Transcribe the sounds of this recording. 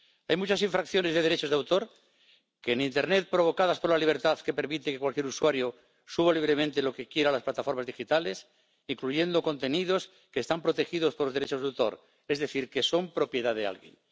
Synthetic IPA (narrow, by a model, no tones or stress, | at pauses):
ajmut͡ʃas̬ĩɱfɾakθjo̞ne̞zðe̞ðeɾet͡ʃo̞zðawt̪o̞ɾ | keːnint̪e̞ɾnet̪̚pɾo̞β̞o̞kað̞aspo̞ɾlaliβ̞e̞ɾt̪aðke̞pe̞ɾmit̪ekekwalkjeɾuswaɾjo | suβ̞aliβ̞ɾe̞mẽnt̪e̞lo̞ke̞kje̞ɾalasplat̪afo̞ɾmazðixit̪ale̞s | iŋkluʝe̞nd̪o̞ko̞nt̪e̞niðo̞s | keːst̪ampɾot̪e̞xiðospoɾlozðɾet͡ʃo̞zðawt̪o̞̰ɾ | e̞zðe̞θiɾke̞so̞mpɾo̞pje̞ðaðea̰lɣje̞̰n